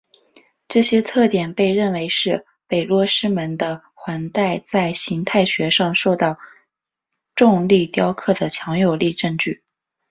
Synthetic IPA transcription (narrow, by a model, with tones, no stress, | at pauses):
ʈ͡ʂɤ˥˩ɕjɛ˥t̪ʰɤ˥˩t̪jɛ˨˩npe˥˧ɪɻə˥˩nwe˧˥ɪʂɻ̩˥˩ | pe˨˩ɪlwɔ˥˧ʂɻ̩˥mə˧˥nd̪ə˧ | xwa˧˥nt̪a˥˩ɪt͡sa˥˩ɪɕi˧˥ŋt̪ʰa˥˩ɪɕɥɛ˧˥ʂɑ˥˧ŋʂo˥˧ʊt̪ɑ˥˧ʊ | ʈ͡ʂʊ˥˧ŋli˥˩t̪jɑ˥ʊkʰɤ˥˩d̪ə˩t͡ɕʰjɑ˧˥ŋjo˨˩ʊli˥˧ʈ͡ʂɤ˥˧ŋt͡ɕy˥˩